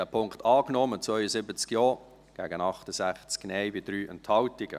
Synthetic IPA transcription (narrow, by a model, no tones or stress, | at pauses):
ɛpʰʊŋktɑːknɔmət͡svœʏəzɪbət͡skjɔː | ɡ̥ɛːɡənɑχtəzæχt͡sknɛɪbid̥ɾyːʔɛnthɑltɪɡə̰